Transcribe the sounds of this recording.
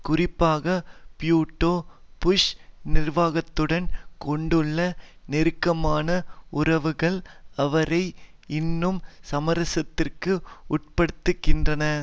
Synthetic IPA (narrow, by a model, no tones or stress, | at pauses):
kʊrɪpːaːɣɐpjuːʈːoːpʊʂnɪrʋaːɣɐt̪ːɯɽɐnkɔɳɖɯɭːɐnɪɾɯkːɐmaːnɐʊrɐʋɯɣɐɭɐʋɐɾɐɪ | ɪnːɯmsɐmɐɾɐsɐt̪ːɪrkɯʊʈ̚pɐɽɯt̪ːɯkːɪndrɐnɐ